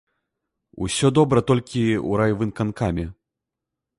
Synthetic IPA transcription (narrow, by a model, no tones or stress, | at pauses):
ṵsʲɔd̪ɔbɾɐt̪ɔlʲkʲiṵɾajvɨnkankamʲɛ